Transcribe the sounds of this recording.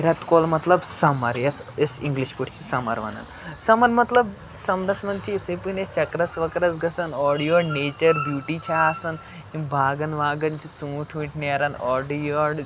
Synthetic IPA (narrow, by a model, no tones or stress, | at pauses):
ɾɐt̪kolmɐt̪lɐbsɐmɐɾjɐt̪ʰesḭŋɡliʃpuʈt͡ʃʰi̥sɐmɐ̰ɾʋɐ̰nɐ̰n | sɐmɐɾmɐt̪lɐb | sɐmd̪ɐsnɐnt͡ʃʰit̪ʰepunest͡ʃɐkɾɐsʋɐkɾɐsɡɐsɐnɔːɖijoːɖneːt͡ʃɐɾbjuːʈit͡ʃʰaːsɐn | imbʱaːɡɐnʋaːɡɐnt͡ʃʰit͡suːʈʰuiʈneːɾɐnɔːɖijoːɖ